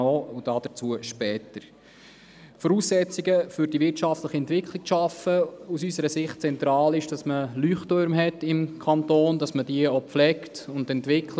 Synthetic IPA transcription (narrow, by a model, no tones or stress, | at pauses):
oːʊd̥ɑd̥ət͡suəʃpɛːtəɾ | fɔɾuːsːɛt͡siɡəfʏɾd̥iʋɪrtʃɑftləχiɛntʋɪkʰlik̚ʃɑfəusysəɾəsɪχt̚t͡sɛnt̪ɾɑːlɪʃd̥ɑsməlyːχtøɾmɦɛtɪmkʰɑntoːnd̥ɑsmədiəopflɛktʊndɛntʋɪkʰlə